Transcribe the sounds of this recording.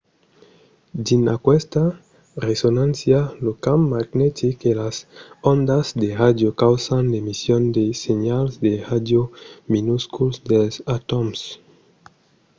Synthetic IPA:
d̪inakwest̪a | resonãnsjalokamːaɡnɛt̪ikelasond̪azd̪eʁad̪jokawsand̪emisjond̪eseɲalzd̪eʁad̪jominuskulsd̪elsat̪oms

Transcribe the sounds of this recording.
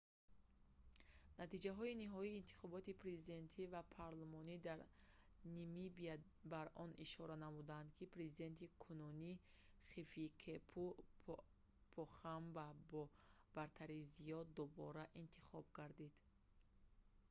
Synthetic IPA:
nat̪id͡ʒaɦɔiniɦɔiːnt̪ʰi̥χɔbɔt̪ipʰɾe̞zid̪e̞nt̪ʰivapʰaɾlumɔnid̪aɾ | nimibia | baɾɔniʃɔɾanamud̪and̪kʰipɾe̞zid̪e̞nt̪ʰikʰununiχifikʰepʰu | pʰɔχambabɔ | b̥aɾt̪ʰaɾizijɔd̪ubɔɾaʔint̪ʰi̥χɔbɡaɾd̪id̪̥

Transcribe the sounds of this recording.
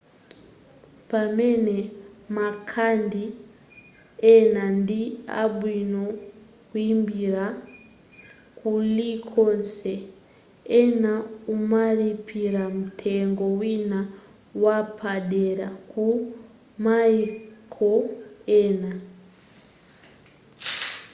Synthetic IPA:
pamenemakʰandi | enandia̰ɓwino | kuimbiɾa | kulikʰonse | enaumalipʰiɾamutʰeŋɡowina | wapʰaɗeɾaku | maikʰoena

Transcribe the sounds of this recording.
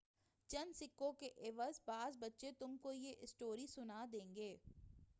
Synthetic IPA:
t͡ʃɐnsɪkːõkeʔeːʋəzbaːzbɐtːʃet̪ʊmkojeʔɪsʈoːɾisʊnad̪ẽːŋɡeː

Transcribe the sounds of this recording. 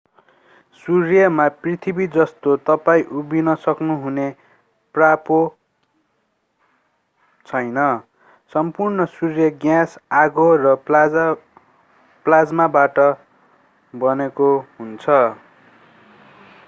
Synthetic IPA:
surjʌmaprit̪ʰibid͡zʌst̪ot̪ʌpaĩʔubinʌsʌknuɦune | prapo | t͡sʰʌjnʌ | sʌmpurnʌsurjʌɡjãsaɡorʌ | plad͡zmabaʈʌ | bʌnekoɦunt͡sʰʌ

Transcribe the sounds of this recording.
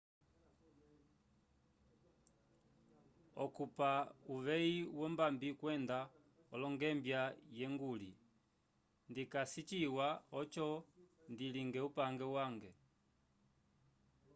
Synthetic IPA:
ɔkupauʋɛiwɔmbambikwɛnda | ɔlɔŋɡɛmbjajɛŋɡulḭ | ndikasit͡ʃiwaɔt͡ʃɔndiliŋɡɛupaŋɡɛwaŋɡɛ

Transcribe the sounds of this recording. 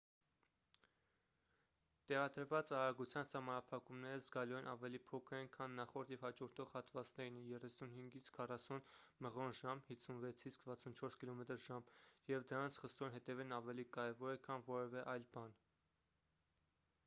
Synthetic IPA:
t̪ɛʁɑd̪əɾvɑt͡sɑɾɑɡut͡sʰjɑnsɑhmɑnɑpʰɑkumnɛɾəzɡɑluɛnʔɑvɛlipʰɔkʰəɾɛnkʰɑnːɑχɔɾt̪jɛvhɑd͡ʒɔɾt̪ʰɔʁhɑt̪vɑt͡snɛɾinɛjɛrɛsunhiŋɡit͡sʰkʰɑrɑsunməʁɔnʒɑmhisʰunvɛt͡sʰit͡skʰvɑt͡sʰunt͡ʃʰɔɾskilɔmɛt̪əɾʒɑmjɛvd̪əɾɑnt͡sʰχəst̪ɔnɦɛt̪ɛvɛnɑvɛlikɑɾɛvɔɾɛkʰɑnvɔɾɛvɛʔɑjlbɑn

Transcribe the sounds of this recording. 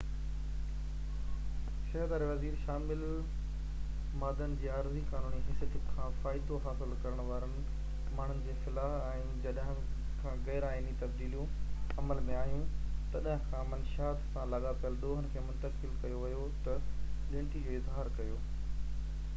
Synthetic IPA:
ʃɐɦəd̪aːɾeʋɐziːɾʃaːmɪl | maːd̪ənɪ̆d͡ʑeːaːɾzikaːnuːniɦɪsjət̪ikʰãfaːɪd̪oɦaːsɪlkɐɾəɽ̃ʋaːɾənɪ̆ | maːɳ̤ʊnɪ̆d͡ʑeːxɪlaːɦɛ̃ː | d͡ʑɐɗɦɪ̃ | kʰãːɣɛːɾaːɪnit̪ɐb̚d̪iːlijũɐməlmẽaːɦijũt̪ɐɗɦɪ̃kʰãmənʃaːd̪sãlɐɠapjəld̪oːɦən̆kʰeːmʊ̃nt̪əkɪlkɐjoʋɪjo | t̪ɐɗɪ̃ːɳʈid͡ʑoːɪzɦaːɾkɐjoː

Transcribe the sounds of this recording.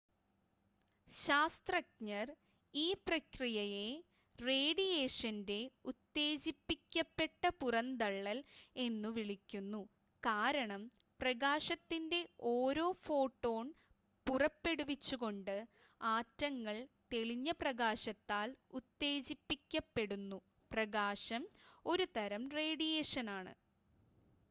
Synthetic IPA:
ɕaːst̪rɐk̚ɲɐr | iːprɐkrijɐje̞ | reːɽije̞ːʂɐnde̞ut̪ːe̞ːd͡ʑipːikʲːɐpːe̞ʈːɐpurɐnd̪ɐɭːɐle̞nːuʋiɭikʲːunːu | kaːɾɐɳɐm | prɐɣaːɕɐt̪ːinde̞oːɾo̞ːfo̞ːʈːo̞ːɳ | purɐpːe̞ɽuʋit͡ɕːuɣo̞ɳɖɨ | aːtːɐŋːɐɭt̪e̞ɭiɲːɐprɐɣaːɕɐt̪ːaːlut̪ːe̞ːt͡ɕipːikʲːɐpːe̞ɽunːu | prɐɣaːɕɐmo̞ɾut̪ɐɾɐmre̞ːɽijeːʂɐnaːɳɨ̰

